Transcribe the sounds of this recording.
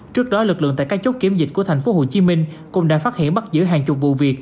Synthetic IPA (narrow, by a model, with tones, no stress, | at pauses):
t͡ɕɨ˦˥ək̚ɗɔ˨˦lɨ˨˩k̚lɨ̰˧˨əŋt̪a̰ː˧˨kːaː˦˥kt͡ɕə˦˥k͡p̚ki˨˦əmzi˨˩t̟̚ku˧˩ət̪ʰŋ̟fo˨˦ho˨˩t͡ɕi˨˦mï˧ŋ̟ | kʊ̰˧˩ŋ͡mɗa̰ː˧˥faː˦˥hḭ˧˨ənɓa˦˥t̚zɨ̰˧˥ɦaː˨˩ŋt͡ɕʊ˨˩p̚vṵ˧˨vi˨˩ək̚